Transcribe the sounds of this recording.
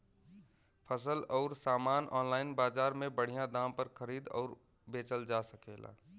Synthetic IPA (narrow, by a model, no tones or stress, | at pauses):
pʰəsəlɔːʊɾsaːmaːnʔɔːnlaːɪnbaːd͡ʒaːɾmẽbəɽ̤ijãd̪aːmpəɾkʰəɾiːd̪ɔ̰ːɾ | beːt͡ʃəld͡ʒasəkela̰ː